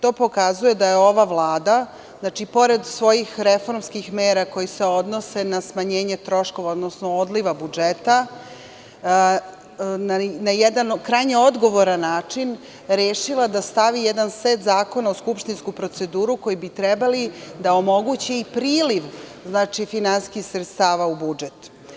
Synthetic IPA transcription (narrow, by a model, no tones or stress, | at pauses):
t̪o̞ːpo̞kazuje̞d̪ajeo̞ʋaʋlˠaːd̪a | znaːt͡ʃipo̞ɾed̪sʋo̞jixɾe̞fo̞ɾmskixmeːɾako̞jise̞o̞d̪no̞se̞nasmaɲe̞ːɲe̞t̪ɾo̞ʃko̞ʋaod̪nosnood̪liʋabud͡ʒet̪a | nanajɛd̪ankɾajɲeo̞d̪ɡo̞ʋo̞ɾanːaːt͡ʂin | ɾeːʃilad̪ast̪aʋijed̪anseːt̪zaːko̞naoskupʃt̪inskupɾo̞t̪se̞d̪uːɾuko̞jibit̪ɾɛbalid̪ao̞mo̞ɡut͡ɕeipɾiːliʋznaːt͡ʃifinanskixsɾet̪st̪aːʋaubud͡ʒet̪